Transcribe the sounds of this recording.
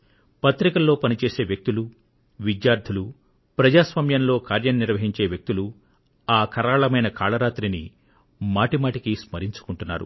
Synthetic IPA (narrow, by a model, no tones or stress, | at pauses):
pɐt̪ɾikɐlːo̞ːpɐnit͡ʃe̞ːse̞ːʋjɐk̚t̪ulu | ʋid̪jaːɾd̪ʱulu | pɾɐd͡ʒaːsʋaːmjɐnlo̞ːkaːɾjɐnniɾʋɐɦiɲt͡ʃe̞ːʋjɐk̚t̪ulu | aːkʰɐɾaːɭɐmɐjnɐkʰaːɭɐɾaːt̪ɾini | maːʈimaːʈikismɐɾiɲt͡ʃu̥kuɳʈunːa̰ːɾṵ